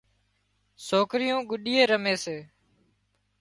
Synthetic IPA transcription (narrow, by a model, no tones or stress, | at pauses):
soːkɾɪjõːɡʊɗiːeːɾəmeːseː